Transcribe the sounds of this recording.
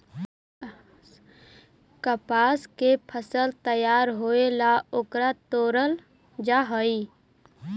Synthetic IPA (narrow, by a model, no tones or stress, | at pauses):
kəpaːskepʰəsəlt̪əjaːɾɦoːelaʊkɾat̪oːɾəl | d͡ʒaɦoi